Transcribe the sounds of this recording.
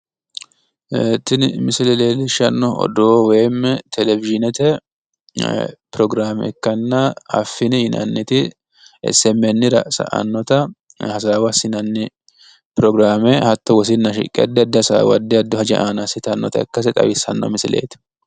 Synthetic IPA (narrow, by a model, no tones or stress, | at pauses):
et̪ːɪnmɪsɪlɛleːlɪʃɐnːɔɔ̰d̪ɔweːmːɛt̪ʰɛlɛvɪʒɪnɛt̪ɛ | pɾɔɡɾaːmɛ̰kːɐnːɐɐ̰fːɪnɪhɪnɐ̰nːɪt̪ɪ | ɛ̰sɛmːɛnːɪɾɐsɐ̰ʔɐ̰nːɔt̪ɐ | hɐs̬aːwɐsɪnɐnːɪ | pɾɔɡɾaːmɛhɐt̪ːɔwɔs̬ɪnːɐʃɪ̰kʼːɛ̰ɐd̪ːɛɐd̪ːɛɐsa̰ːwɐ̰d̪ːɛɐd̪ːɔhɐd͡ʒɛ̰ʔaːnɐsɪt̪ɐnːɔt̪ɐɛ̰kːɐs̬ɛt̪ʼɐ̰wɪsɐ̰nːɔ̰mɪsɪlḛːt̪ɪ̥